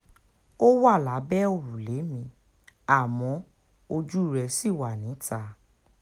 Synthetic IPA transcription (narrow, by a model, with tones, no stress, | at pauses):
o˦wa˦˨la˨˦bɛ˦o˦˧˨ɾu˨le˨˦mĩ˧˦ | a˦˨mɔ̃˨˦ | o˧d͡ʒu˦˨ɾɛ˧si˦˨wa˨nĩ˨˦ta˧˨